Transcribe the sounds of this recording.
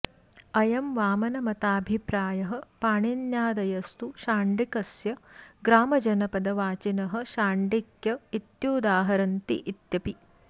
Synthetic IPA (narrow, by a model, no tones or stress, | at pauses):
ɐjɐmʋaːmɐnɐmɐt̪aːbʱipɾaːjɐɦɐ̆paːɳinjaːd̪ɐjɐst̪uʃaːɳɖikɐsjɐɡɾaːmɐd͡ʒɐnɐpɐd̪ɐʋaːt͡ʃinɐɦɐ̆ʃaːɳɖikjɐit̪juːd̪aːɦɐɾɐnt̪ḭʔit̪jɐpi